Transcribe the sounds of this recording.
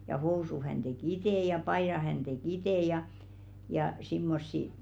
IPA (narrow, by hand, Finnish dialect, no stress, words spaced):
jɑ housuh̆ hæn tek iteˑ jɑ pɑiɾɑh̆ hæn tek iteˑ jɑ jɑ simːosːi